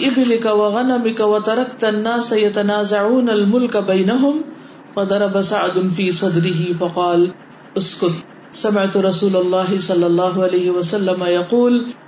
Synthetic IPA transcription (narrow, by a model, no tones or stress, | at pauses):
ʔɪbɪlɪkawɐɣanamɪkawɐt̪ɑɾˤɑkt̪anːaːsajɐt̪anaːzaʕuːnalmʊlkabajnaɦʊm | fɐd̪ɑɾˤɑbasaʕd̪nfiːsˤɑd̪ɾɪɦɪfɐqɑːl | ʔʊskʊt̪ | sɐmɪʕt̪ʊɾɑsuːlɐlˤːɑːɦɪsɑlːɑlˤːɑːɦʊʕaleːɦɪwɐsalːamajɑquːl